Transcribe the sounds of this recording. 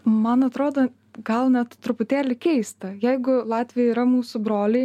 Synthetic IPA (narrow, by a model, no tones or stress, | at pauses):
mɐnɐt̪ɾoːd̪oː | ɡɐlˠnʲɛt̪t̪ɾʊpʊt̪ʲæːlʲɪkʲɛɪst̪ɐjɛɪɡʊlˠɑːt̪ʲʋʲɪjɛiːɾɐmuːsʊbɾoːlʲɛɪ